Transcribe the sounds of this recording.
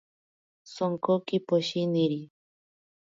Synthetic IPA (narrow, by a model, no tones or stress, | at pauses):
soŋkokipoʃiniɾi